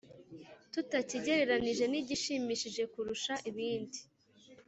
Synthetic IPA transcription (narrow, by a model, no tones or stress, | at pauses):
tutaciɟe̞ɾe̞ɾaniʒe̞niɟiʃiːmiːʃiʒe̞kuɾuʃaʔiβiːndi